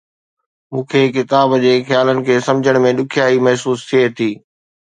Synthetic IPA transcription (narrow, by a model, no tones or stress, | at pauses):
mũːkʰeːkɪt̪aːbd͡ʑeːxjaːlənɪ̆kʰeːsɐ̃md͡ʑʱəɽ̃mẽɗʊkʰijaːimɐɦsuːst̪ʰiet̪ʰiː